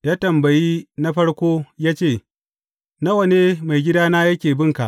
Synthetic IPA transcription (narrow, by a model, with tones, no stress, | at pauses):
jaː˦tɐ˨mbɐ˨jiː˦na˦ɸɐ˦ɽkʷoː˦jaː˦t͡ʃeː˦˨ | na˦wɐ˨neː˦ma˨jɡʲɪ˦daː˦naː˦jɐ˦kʲeː˨bɪ˦ŋka˨ʔ